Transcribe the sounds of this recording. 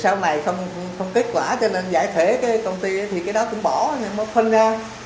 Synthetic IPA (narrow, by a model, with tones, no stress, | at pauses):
saː˧wna˨˩jxə˧wŋ͡m | xə˧wŋ͡mke˦˥t̚kwaː˧˩t͡ɕɔ˧ne˧nza̰ː˧˩jt̪ʰwe˧˥˦kaː˨˦kə˧wŋ͡mt̪i˧ə˨˦jt̪ʰi˨˩kaː˨˦jɗɔ˨˦kʊ̰˧˥ŋ͡mɓɔ˧˩˨na˧mɔ˨˦kʰwə˧nzaː˧